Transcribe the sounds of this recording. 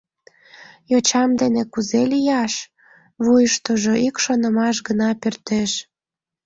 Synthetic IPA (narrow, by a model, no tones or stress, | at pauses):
jot͡ɕɑmd̪enekuzelijɑʃ | βujəʃt̪oʒoʔikʃonəmɑʃ̬ɡənɑpørt̪eʃ